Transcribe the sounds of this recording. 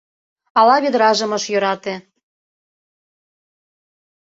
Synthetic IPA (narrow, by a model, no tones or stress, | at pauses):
ɑlɑβed̪ɾɑʒɤ̆mɤ̆ʃjø̆ɾɑt̪ĕ